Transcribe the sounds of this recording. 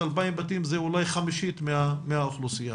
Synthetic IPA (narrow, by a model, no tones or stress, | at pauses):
albaimbat̪imzeulajχamiʃit̪meameauχlusija